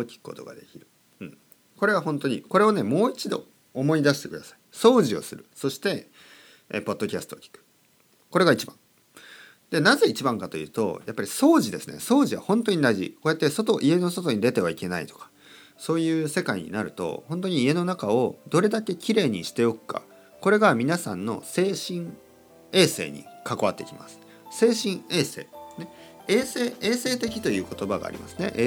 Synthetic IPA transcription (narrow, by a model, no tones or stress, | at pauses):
okʲi̥kɯ̟̥ko̞t̪o̞̰ɡa̰d̪e̞kʲiɾɯ̟ | ɯ̟̃ɴ | ko̞ɾe̞β̞aɦõ̞nt̪o̞ɲ̟ḭko̞ɾe̞o̞ne̞mo̞ːit͡ɕid̪o̞̰ː | mo̞id̪aɕi̥t̪e̞kɯ̟d̪asḁi̥so̞ːʑio̞̰sɨɾɯ̟̰so̞ɕi̥t̪e̞ | ḛpo̞d̪ːo̞kʲasɨ̥t̪o̞ːkʲi̥kɯ̥ | ko̞ɾe̞ɡait͡ɕibã̰ŋ | d̪e̞naze̞it͡ɕibãŋkat̪o̞jɯ̟̰ːt̪o̞̰japːaɾʲiso̞ːʑid̪e̞sɨne̞̰so̞ːʑiβ̞a̰hõ̞nt̪o̞ɲ̟id̪aiʑḭko̞ːjat̪ːeso̞t̪o̞ʔie̞no̞so̞t̪o̞ɲ̟id̪e̞t̪e̞β̞aike̞nait̪o̞̥kḁ | so̞ːjɯ̟ːse̞kaiɲ̟ḭnaɾɯ̟t̪o̞̰hõ̞nt̪̬o̞ɲ̟iːe̞no̞nakao̞d̪o̞ɾe̞d̪ake̞kʲiɾe̞ːɲ̟iɕi̥t̪e̞o̞kɯ̟̥kʰa̰ | ko̞ɾe̞ɡamʲinasãnːo̞̰se̞ːɕĩŋ | e̞ːse̞̰ːɲ̟ḭkako̞βat̪ːe̞̰kʲima̰sɨ̥ | se̞ːɕĩɰ̃e̞ːse̞ːneeːseːeːse̞ːt̪e̞kʲi̥t̪o̞jɯ̟ːko̞t̪o̞baɡa̰ːɾʲḭmʔa̰sɨne̞̰ʔ